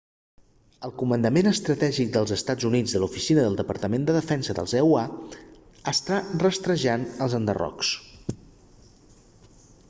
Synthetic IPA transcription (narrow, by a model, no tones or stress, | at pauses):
əlˠkumənd̪əmenəst̪ɾət̪ɛʒik̚d̪əlˠzəst̪ad͡zunid͡zðəlufisinəðəlˠd̪əpəɾt̪əmend̪əðəfɛnsəðə̰lˠzɛua | əst̪arəst̪ɾəʒanəlˠzənd̪ə̰rɔ̰ks